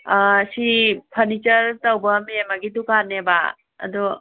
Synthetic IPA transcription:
sipʰɐɾnit͡ʃɐɾtɐwbɐmemaɡidukaneba̰ | ɐ̰du

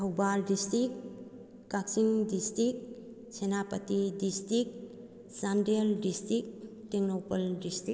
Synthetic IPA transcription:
ɐwbaldistɾik | kaksiŋdistɾik̚ | senapɐtidistɾik̚ | sandeldistɾik̚teŋnopɐldistɾi

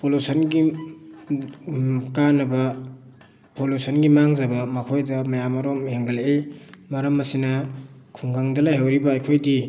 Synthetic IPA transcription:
polusɐnɡi | kanːɐbɐ | polusɐnɡimaŋzɐbɐmɐkʰojdɐmɐjamɐɾomheŋɡɐleejmɐɾɐmɐsinɐkʰuŋɡaŋdɐlajɦawɾibɐːjkʰojdi

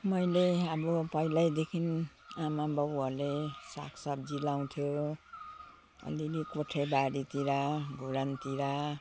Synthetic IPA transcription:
mʌjleʌbʌpʌilajd̪ekʰin | amabʌbuʌrlesa̰kʰsʌb̚d͡zilaw̃t̪ʰjo | ʌ̰lilikoʈʰebaɾit̪iɾaɡʱuɾant̪iɾa

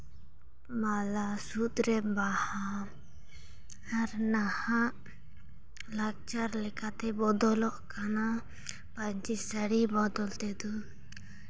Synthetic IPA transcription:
malasut̪ɾɛbaha | aɾnahaʔ | lak̚t͡ʃaɾlɛkat̪ɛbɔd̪ɔlɔʔkana | paɲt͡ʃisəɽibɔd̪ɔlt̪ɛd̪ɔ

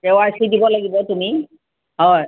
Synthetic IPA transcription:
ewaɹsidibɔlaɡibɔtumi | ɦɔj

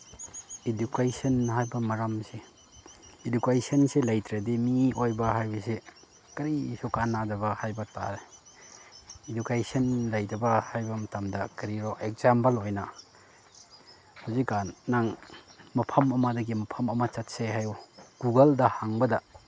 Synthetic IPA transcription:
idukajsɐnɦajbɐmɐɾamseː | dukajsɐnselɐjtɾedimiojbɐɦajbɐse | kɐɾisɔkanːadɐbɐhajbɐta̰ɾe | idukajsɐnlɐjdɐbɐhajbɐmɐtamdɐkɐɾiɾoʔek̚zampɐlojnɐ | huzikːanːaŋmɐpʰɐmɐmɐdɐɡimɐpʰɐmɐmɐt͡ʃɐt̚seɦajuɡ̥uɡɐldɐhaŋbɐdɐ

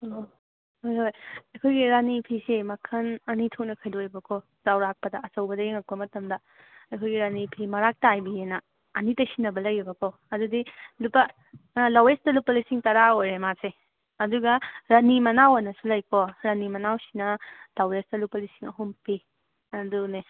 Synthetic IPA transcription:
o | hojɦojɐjkʰojɡiɾanipʰisemɐkʰɐnɐnitʰok̚nɐkʰɐjdojbɐkʰo | zawɾak̚pɐdɐɐsɐwbɐdɐjeŋɐk̚pɐmɐtɐmdɐ | ɐjkʰojɡiɾanipʰimɐɾak̚tajbijenɐː | nitɐsinːɐbɐlɐjibɐkʰo | ɐdudilupɐ | lawestɐlupːɐlisiŋtɐɾaojɾemase | ɐduɡɐɾɐnimɐnawanɐsulɐjkʰoɾɐnimɐnawsinɐd̥awestɐlupɐlisiŋɐɦumpi | ɐdune

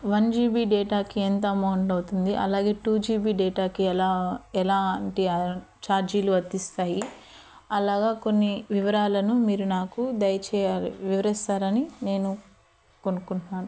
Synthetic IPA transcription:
ʋɐnd͡ʒiːbiːɖɛːʈaːkient̪oɐmɐwɳɖɐwt̪und̪iʔɐ̰laːɡe̞ːʈuːd͡ʒiːbiːɖɛːʈaːkiɛlaːɛlaːɳʈia | t͡ʃaːɾd͡ʒiːluɐd̪ist̪aːji | ɐlaːɡaːko̞nːiʋiʋɐɾaːlɐnumiːɾunaːkud̪ɐjɐt͡ʃɛːjaːliʋiʋɐɾist̪aːɾɐnine̞ːnu | konukuɳnaːnu

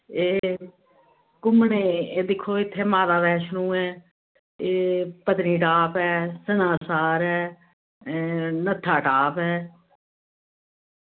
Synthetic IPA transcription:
eː | kʊmneːeːd̪ɪkʰːoːɪt̪ʰːeːmaːd̪aːʋɛːʃnũːɛː | eːpəd̪niːʈaːpɛːsənaːsaːɾɛː | nət̪ʰːaːʈaːpɛː

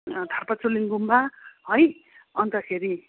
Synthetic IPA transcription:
d̪ʱʌrpat͡soliŋɡumbaɦʌj | ʌnt̪ʌkʰeɾi

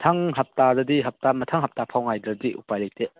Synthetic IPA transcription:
tʰaŋɦap̚taɾɐdiɦap̚tamɐtʰaŋɦap̚tapʰawŋajdɾɐdiʔṵpajlajte

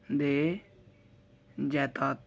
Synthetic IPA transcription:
d̪e | d͡ʒɛːt̪aːt̪

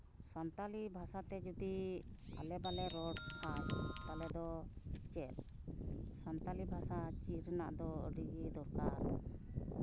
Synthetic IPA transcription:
sant̪alibʱasat̪ɛd͡ʒud̪ia̰lɛbalɛɾɔɖpʰat͡ʃt̪alɛd̪ɔt͡ʃɛl | sant̪alibʱasat͡ʃiɾna̰ʔd̪ɔ̰ɖiɡid̪ɔɾkaɾ

